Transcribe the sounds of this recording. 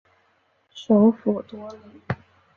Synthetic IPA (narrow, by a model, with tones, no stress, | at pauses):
ʂo˧˥ʊfu˨˩t̪wɔ˥li˧˩˦